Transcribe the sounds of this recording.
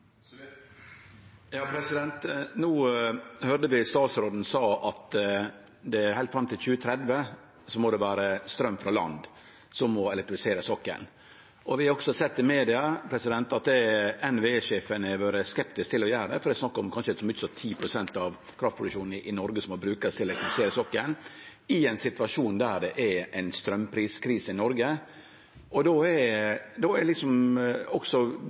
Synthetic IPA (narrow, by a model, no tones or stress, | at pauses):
jɑːpʰɾɛsɪd̪ɛnt̪nuːhøɾd̪əʋɪst̪ɑːt̪sɾoːd̪n̩sɑːɑt̪ | d̪ɛæɾhæɪlt̪fɾɑmt̪ʰɪlçʉːət̪ʰɾɛd̪ʋə | sɔmɔd̪ɛʋæːɾəst̪ɾœmːfɾɑlɑ̰nd̪ | sɔmːɔɛlɛk̚t̪ɾɪfɪseːɾəsɔkːə̰n | ʔɔʋɪɾɔɡsɔsɛt̪ːɪmeːd̪ɪɑpʰɾɛsɪd̪ɛnt̪ɑt̪̚d̪ɛɛnʋeeʂeːfənɛʋoːɾəskɛpt̪ɪsk̚t̪ʰɪlːɔjæːɾd̪ɛfɔɾd̪ɛsnɑkːɔmkʰɑnʂəsɔmʏçəsɔt̪ʰiːpʰɾʊsɛnt̪ɑʋ | kʰɾɑft̪pɾʊd̪ʉkʂuːn̩ʔɪnɔɾɡəsɔmɔbɾʉːkɑst̪ʰɪlɛlɛkt̪ɾɪfɪseːɾəsɔkːən | ɪɛɪnsɪt̪ʋɑʂuːnd̪æɖ̪ɛʔɛɛɪnst̪ɾœmːpʰɾiːskʰɾiːsəɪnɔɾɡə | ɔd̪oɛd̪ɔɛɾlɪksɔmɔksɔ